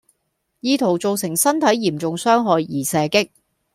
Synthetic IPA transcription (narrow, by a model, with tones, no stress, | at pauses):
jiː˧t̪ʰo˨˩wt͡so˨wsɪ˨˩ŋsɐ˥nt̪ʰɐ˨˥jːiː˨˩mt͡sʊ˨ŋsœː˥ŋɦɔː˨jːiː˨˩sɛː˨˧kɪ˥k̚